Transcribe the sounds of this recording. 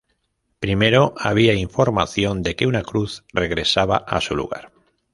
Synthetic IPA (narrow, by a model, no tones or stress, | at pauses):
pɾimeɾoaβ̞iaiɱfo̞ɾma̰θjõnd̪e̞keunakɾuθreɣɾe̞saβa̰ʔa̰sulṵɣa̰ɾ